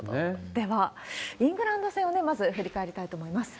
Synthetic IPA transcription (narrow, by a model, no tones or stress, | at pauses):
ed̪̥e̞βaĩŋɡɯ̟ɾãnd̪o̞sẽone̞mazɨɸɯ̟ɾʲikae̞ɾʲit̪ait̪o̞ːmo̞imasɨ̥